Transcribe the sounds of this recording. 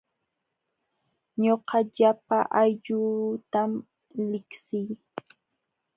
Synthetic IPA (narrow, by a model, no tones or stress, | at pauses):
ɲoqɑʎapaʔajʎʊt̪am | lɪksɪj